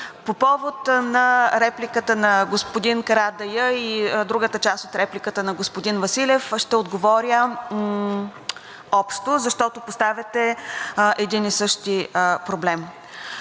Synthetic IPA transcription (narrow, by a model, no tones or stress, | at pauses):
popɔvot̪nɐɾɛplikət̪ənɐɡospod̪inkɐɾad̪ɐjəid̪ɾuɡət̪ət͡ʃast̪ot̪ɾɛplikət̪ənɐɡospod̪invɐsilʲɛfʃt̪ɛod̪ɡovɔɾʲə | ɔpʃt̪ozɐʃt̪ɔt̪opost̪avʲɛt̪ɛʔɛd̪inisɤʃt̪ipɾoblɛm